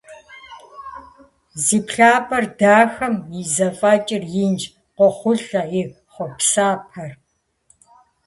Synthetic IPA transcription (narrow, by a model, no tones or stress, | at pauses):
ziːpʰɬaːpʰʼɐrdaːxɐmizɐfʼaːt͡ʃʼɪrjɪnd͡ʒ | qʷɔχʷʊɬɐi | χʷɔpsaːpʰɐr